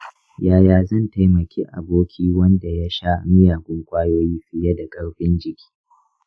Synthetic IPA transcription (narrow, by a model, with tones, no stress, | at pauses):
jaː˦jaː˨zɐ˦˨nta˦jmɐ˨kʲʰeː˦ʔa̰˨boː˦kʲiː˦wɐ˦nda˨ja˦ʃa˦mɪ˦jaː˨ɡʷʊ˦ŋkʷʼaː˦joː˦jiː˦ɸɪ˦jɐ˦da˨kʼɐ˦ɽɸɪ˦nd͡ʒɪ˨kʲi̥ː˦